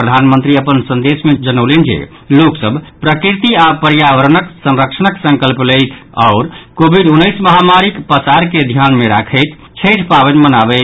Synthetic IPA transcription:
ɾəd̪ʱanmənt̪ɾiəpənsə̃nd̪esmed͡ʒənəʊlend͡ʒḛ | loksəbʱpɾəkɾit̪iapəɾjabəɾənəksə̃nɾəksʰənəksə̃ŋkəlplet̪ʰa̰ʊɾkobʱiɖunːəjsməɦamaɾikpəsaɾked̪ʱjanmeɾa̰kʰəjt̪ʰ | t͡ʃʰəʈʰpabənmənabɛ

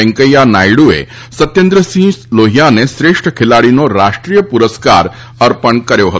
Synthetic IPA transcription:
ɛ̃ŋkəjanajɽuḛ | sət̪jend̪ɾəsĩːloɦijanesɾeʂʈʰəkʰelaɭinɔɾaʂʈɾijəpuɾəska̰ɾ | əɾpəɳkəɾjoɦət̪

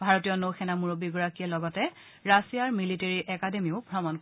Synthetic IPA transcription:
bʱaɹotijɔnoxʰɛnamuɹobiɡɔɹakiɛlɔɡɔtɛ | ɹasijaɹmiliteɹiʔɛkademiʊbʱɹɔmɔnk

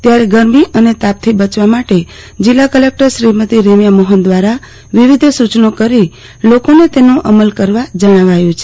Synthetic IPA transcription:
t̪jaɾeɡəɾmiʔənet̪ap̚t̪ʰibət͡ʃʋamaʈe | d͡ʒilːakəlek̚ʈəɾʃɾimət̪iɾemjamoɦənd̪ʋaɾa | ʋiʋid̪ʱsut͡ʃnokəɾi | lokonet̪enõʔəməlkəɾʋad͡ʒəɽ̃aʋajũt͡ʃʰe

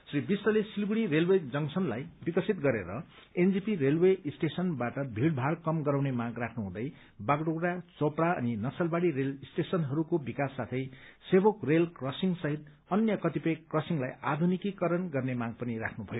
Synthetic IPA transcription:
sribisʌlesilɡuɽiɾelwed͡zʌŋsʰʌnlajbikʌsit̪ɡʌɾḛɾʌ̰ | end͡zipiɾelweisʈesʌnbaʈʌbʱiɽbʱaɽkʌmɡʌɾawnemaɡrakʰnuɦũd̪ʌj | baɡɽoɽat͡sopɽaʌ̰ninʌsʌlbaɽiɾelisʈesʌnɦʌɾukobikasːat̪ʰʌjsebokrelkrʌsiŋsʌɦit̪ | ʌnjʌkʌt̪ipʌjkrʌsiŋlajad̪ʱunikikʌɾʌnɡʌrnemaɡ̚pʌniɾa̰kʰnubʱʌjo

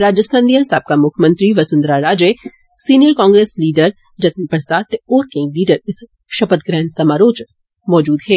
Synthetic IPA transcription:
ɾaːd͡ʒəst̪ʰãnd̪ijə̃nsaːb̚kamʊkʰmə̃nt̪ɾiʋɐsʊnd̪ɾaɾaːd͡ʒeː | siːnijəɾkãːŋɡɾeːsliːɖəɾ | d͡ʒɐt̪pəɾsaːd̪̚t̪ːeoːɾkẽŋɡliːɖəɾɪs | ʃɐpət̪̚ɡɾɛːnsɐmaːɾoːt͡ʃ | mɔːd͡ʒuːd̪ɦeː

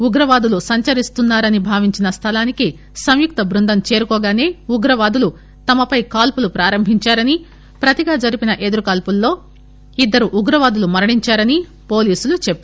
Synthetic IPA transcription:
uɡɾɐʋaːd̪ulusɐɲt͡ʃɐɾist̪unːaːɾɐnibʱaːʋiɲt͡ʃinɐst̪ʰɐlaːniki | sɐmjuk̚t̪ɐbɾund̪ɐmt͡ʃeːɾukɔːɡaːne̞ːuɡɾɐʋaːd̪ulu | t̪ɐmɐpɐjkaːlpulupɾaːɾɐmbʱiɲt͡ʃaːɾɐni | pɾɐt̪iɡaːd͡ʒɐɾipinɐʔed̪uɾukaːlpulːo̞ː | id̪ːɐɾuʔuɡɾɐʋaːd̪ulumɐɾɐɳiɲt͡ʃaːɾɐni | po̞ːliːsulut͡ʃepːa

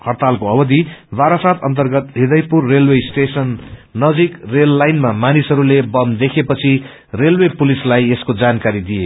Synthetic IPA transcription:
hʌrt̪alkoʌbʌd̪ibaɾasat̪ʰʌnt̪ʌrɡʌt̪ɦid̪ʌjpurːelwesʈesʌnːʌd͡zikrelːajnmamanisʌɾulebʌmd̪ekʰepʌt͡sʰi | relwepulislajeskod͡zankaɾid̪ije

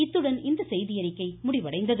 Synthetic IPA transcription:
ɪt̪ːɯɽɐnɪnd̪ɐsɛjðɪjɐɾɪkːɐɪmʊɽɪʋɐɽɐɪnd̪ɐð

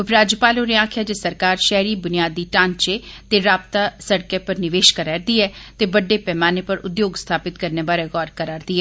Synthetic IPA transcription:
ʊpɾaːd͡ʒjəpaːloːneaːkʰɪjaːd͡ʒesəɾkaːɾʃɛɦɾiːbʊnɪjaːd̪ːiːʈãːnt͡ʃeːt̪eːɾaːpt̪aːsəɽkeːpəɾnɪʋeːʃkaɾɛːɾd̪iːɛːtt̪eːbəɖːeːpɛːmaːneːpəɾʊd̪joːɡst̪ʰaːpɪt̪kəɾneːbaːɾeːɣɔːɾkəɾaːɾd̪iːɛː

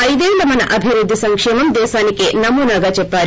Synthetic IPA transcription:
ɐjd̪eːlːɐmɐnɐ̰ʔɐbʱiɾud̪ʱːisɐŋkʂɛːmɐmd̪ɛːʃaːnikeːnɐmuːnaːɡaːt͡ʃɛpːaːɾ

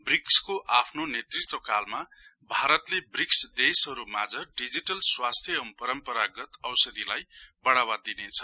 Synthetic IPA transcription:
brikskoʔapʰnonet̪rit̪wʌkalma | bʱaɾʌt̪lebriksd̪esʌɾumad͡zʌɖid͡ziʈʌlswast̪ʰjʌmpʌɾʌmpʌɾaɡʌt̪ʌwsʌd̪ilajbʌɽawad̪inet͡sʰʌ̥

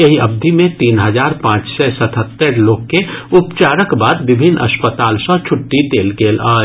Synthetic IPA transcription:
jɐɦiɐb̚d̪ʱimẽt̪iːnɦəzaːɾpãːt͡ʃsɛsət̪ʰət̪ːəɾloːɡkeʊpt͡ʃaːɾəkbaːd̪ʋɪbʱɪnːɐ̰spət̪aːlsɔ̃t͡ʃʰʊʈːit̪eːlɡeːlaː

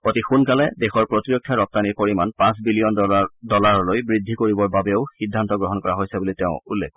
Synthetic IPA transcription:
otixunkalɛdexɔɹpɹotiɹɔkʰːjaɹɔp̚taniɹpoɹimanpãs̬bilijɔndɔlaɹlojbɹidʱːikoɹibɔɹbabɛʊxidʱːantɔɡɹɔɦɔnkɔɹaɦojsɛbulitɛʊulːḛk

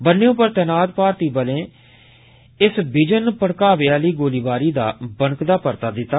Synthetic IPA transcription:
bənːejõːpəɾt̪ɛːnaːd̪paːɾt̪iːbəlẽː | ɪsbɪd͡ʒənpəɽkaːʋeaːliːɡoːliːbaːɾiːd̪a̰ːbəŋkd̪aːpəɾt̪aːd̪ɪt̪ːaː

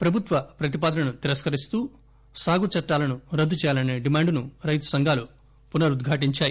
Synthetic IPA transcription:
pɾɐbʱut̪ʋɐpɾɐt̪ipaːd̪ɐnɐnut̪iɾɐskɐɾist̪uː | saːɡut͡ʃɐʈːaːlɐnuɾɐd̪ːut͡ʃɛːjaːlɐneːɖimaːɳɖnuɾɐjt̪u̥sɐŋɡʱaːlu | punɐɾud̪ɡʱaːʈ̬iɲt͡ʃaːji

